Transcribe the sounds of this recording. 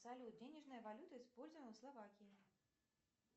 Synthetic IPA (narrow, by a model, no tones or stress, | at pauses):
salʲut̪̚d͡zʲenʲɛʐnɨjɐvalʲut̪ɨispɔlʲzʲnwslˠavakʲiji